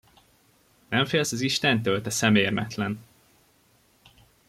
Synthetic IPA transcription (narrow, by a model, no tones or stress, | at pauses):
nɛɱfeːlsɒziʃt̪ɛnt̪ølt̪ɛsɛmeːrmɛ̰t̪lɛn